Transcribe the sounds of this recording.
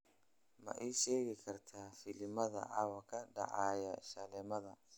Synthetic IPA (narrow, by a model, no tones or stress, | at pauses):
mɐ̰ʔiːʃɛːɣɪkʰɐrt̪ʰaːfɪlɪmɐðɐ̰ʔɐwɐkʰɐɖɑ̰ʕɑːjɐʃɐlɛmɐðɐ